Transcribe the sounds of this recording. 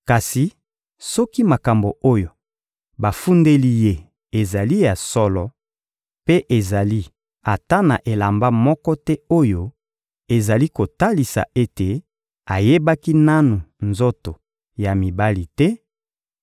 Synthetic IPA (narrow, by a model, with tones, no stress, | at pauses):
ka˨si˨ | sɔ˦ki˦ma˨ka˨mbo˨o˦jo˨ | ba˨fu˦nde˦li˦je˦ | e˨za˨li˦ja˨sɔ˦lɔ˨ | pe˦ʔe˨za˨li˦ | a˨ta˦na˨ʔe˨la˨mba˦mɔ˦kɔ˦tɛ˦o˦jo˦ | e˨za˨li˦ko˨ta˦li˨sa̰˨ʔe˦te˨ | a˨je˦ba˦ki˦na˦nu˨nzo˦to˨ | ja˨mi˨ba˦li˨tɛ˦